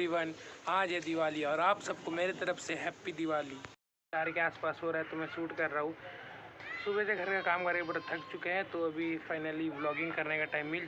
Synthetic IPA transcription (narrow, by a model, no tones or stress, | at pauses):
iʋənaːd͡ʒɦɛd̪ɪʋaːliɔːɾaːpsɐb̚komeːɾet̪ɐɾəfseɦɛːpːid̪ɪʋaːli | ʃaːɾekeaːspaːsɦoɾaɦɛt̪omɛ̃suːʈkɐɾːɐɦũ | sʊbeseɡʱɐɾkakaːmkɐɾkebɐɾt̪ʰɐkt͡ʃʊkeɦɛ̃t̪oɐbʱifaːɪnəliblɔːɡɪ̃ŋɡkɐɾnekaʈaːɪmːɪl